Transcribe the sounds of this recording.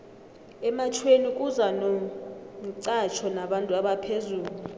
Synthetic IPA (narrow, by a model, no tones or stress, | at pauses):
ɛmat͡ʃʰwenikʼuzanɔ | ǀat͡ʃʰɔnaɓantʼuaɓapʰezuːlu